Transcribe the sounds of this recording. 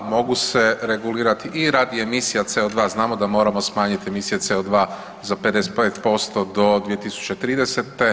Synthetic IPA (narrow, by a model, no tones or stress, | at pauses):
mo̞ɡuse̞ɾe̞ɡuliːɾat̪iʔiɾaːd̪iemisijat̪se̞od̪ʋaːznaːmo̞d̪amo̞ːɾamo̞smaːɲit̪ie̞misije̞t̪seod̪ʋaː | zape̞d̪e̞se̥t̪pet̪po̞st̪o̞d̪o̞d̪ʋije̞t̪isu̥t͡ʃe̞t̪ɾiːd̪eset̪e̞